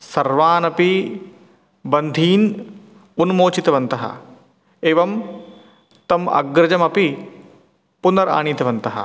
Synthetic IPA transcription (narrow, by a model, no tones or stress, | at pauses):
sɐɾʋaːnɐpi | bɐnd̪ʱiːn | ʊnmoːt͡ɕit̪ʋɐnt̪ɐɦɐ̰ | eːʋɐm | t̪ɐmɐ̰ɡɾɐd͡ʑɐmɐpi | pʊnɐɾa̰ːɽ̃it̪ʋɐnt̪ɐɦɐ̰